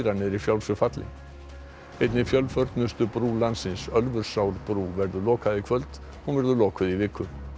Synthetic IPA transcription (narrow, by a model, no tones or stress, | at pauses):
ɾanːɪɾifjawlsʏfat̪lɪ̰ | ejt̪nɪfjœlfœɾt̪nʏst̪ʏpɾuːlansɪnsœlvʏɾ̥sawɾpɾuːvɛɾðʏlɔːkaðɪkʰvœlt̪ | ɔɣvɛɾðʏlɔːkʏðivɪːkːʏ